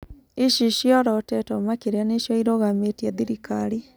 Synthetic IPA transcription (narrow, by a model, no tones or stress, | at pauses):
eʃiʃjɔɾɔotɛtɔmakeɾejaneʃjɔiɾoɣametiaðiɾikaɾi